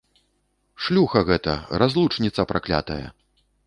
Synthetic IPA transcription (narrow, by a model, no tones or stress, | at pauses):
ʂlʲuxɐɣɛt̪ɐ̰ɾazlˠut͡ʂnʲit̪sɐpɾʔaklʲa̰t̪ɐjɐ̰